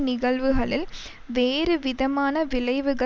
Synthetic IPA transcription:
nɪɣɐɭʋɯɣɐɭɪl | ʋeːɾɯʋɪðɐmaːnɐʋɪlɐɪʋɯɣɐ

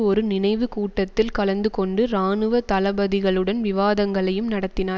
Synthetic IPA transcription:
ɔɾɯnɪnɐɪʋɯkuːʈːɐt̪ːɪlkɐlɐnd̪ɯkɔɳɖɯɾaːnɯʋɐt̪ɐlɐbɐðɪɣɐɭɯɽɐnʋɪʋaːðɐŋɡɐɭɐjɯmnɐɽɐt̪ːɪnaː

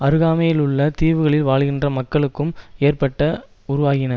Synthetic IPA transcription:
ɐɾɯɣaːmɐjɪlʊɭːɐt̪iːʋɯɣɐɭɪlʋaːɭɣɪndrɐmɐkːɐɭɯkːɯmeːrpɐʈːɐ | ʊɾʊʋaːɣɪnɐ

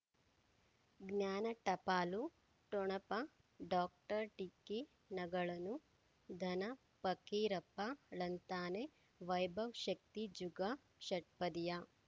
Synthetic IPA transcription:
ɡnjaːnɐʈɐpaːlu | ʈɔɳɐpɐ | ɖaːk̚ʈɐɾʈike | nɐɡɐɭɐnu | d̪ʱɐnɐ | pɐkiːɾɐpːalɐnt̪aːne | ʋɐjbʱɐwʃɐk̚t̪id͡ʒuɡɐ | ʃɐʈ̚pɐd̪ija

